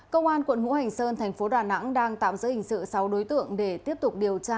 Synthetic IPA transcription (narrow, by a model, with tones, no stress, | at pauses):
kə˧wŋ͡mʔaː˧nkwə˧˩˨nhṵ˧˥ha˨˩jŋ̟səː˧nt̪ʰɛ˨˩jŋ̟fo˨˦ɗaː˨˩na̰˧˥ŋɗaː˧ŋt̪a̰ː˧˨mzɨ̰˧˥jhï˧˩ŋ̟sɨ̰˧˨sa˨˦wɗo˨˦jt̪ɨ̰˧˨əŋɗe˧˩t̪i˦˥əp̚t̪ʊ˨˩k͡p̚ɗi˨˩əwt͡ɕaː˧